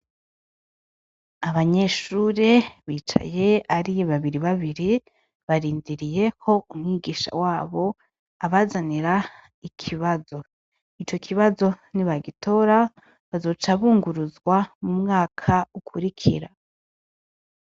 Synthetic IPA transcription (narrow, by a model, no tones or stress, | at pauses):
aβaɲe̞ʃuːɾeβiːt͡ʃa̰je̞aɾiaβaβiɾiβaβiɾi | βaɾiːndiɾije̞kʰo̞ʔumŋiːɡiːʃa̰waːβo̞ | aβazaniɾa | ikʰiβazo̞ | it͡ʃo̞kʰiβazo̞niβaɡitʰo̞ɾa | βazo̞t͡ʃaβuːŋɡuɾuzɡwamumŋaːkʰaukʰuɾikʰḭɾa